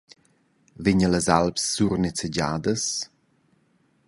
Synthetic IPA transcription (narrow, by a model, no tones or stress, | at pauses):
vɪɲələzalpsːurnit͡sed͡ʑaːd̪əs